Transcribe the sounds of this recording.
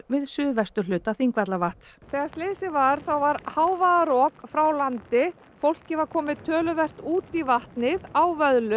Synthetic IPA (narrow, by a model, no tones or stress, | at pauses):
vɪðsʏːðvɛst̪ʏ̥lʏːt̪aθiŋkvat̪lavaht̪sθɛːɣast̪leːsɪvaɾ̥θawvaɾhaːwvaðaɾɔːkfɾawlant̪ɪ | fowl̥cɪvaɾkʰɔːmɪðt̪ʰːœːlʏvɛr̥t̪uːt̪ivaht̪nɪðawvœðlʏ